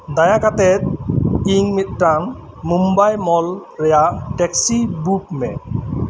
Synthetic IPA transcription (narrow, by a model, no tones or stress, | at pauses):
d̪ajakat̪ɛt̪̚iŋmit̪̚ʈaŋ | mumbajmɔlɾɛjaʔʈɛksibupmɛ